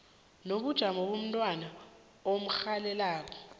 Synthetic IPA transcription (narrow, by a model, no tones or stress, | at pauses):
noɓud̥ʒ̥ʱamɔɓom̩tʼwana | om̩xalɛlaːpʼɔ̥